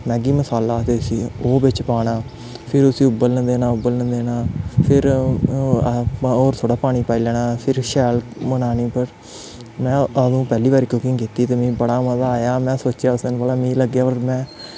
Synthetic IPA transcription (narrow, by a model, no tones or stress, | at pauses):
mɛ̃ːɡiːməsaːlaːt̪eːʊsĩːoːbɪt͡ʃpaːɽaː | pʰɪɾʊsĩːʊbəlnə̃nd̪eːnaːʊbəlnə̃nd̪eːnaːpʰɪɾ | oːɾt̪ʰoːɽaːpaːɽ̃iːpaːiːlɛːnaːpʰɪɾʃɛːlmənaːniːpəɾ | mɛ̃ːəd̪ũːpɛːliːʋaːɾiːkʊkɪ̃ŋɡkiːt̪iːt̪eːmĩːbəɽaːməzaːaːjaːmɛ̃ːsoːt͡ʃjaːʊsənbəlaːmĩːləɡjaːpəɾmɛ̃ː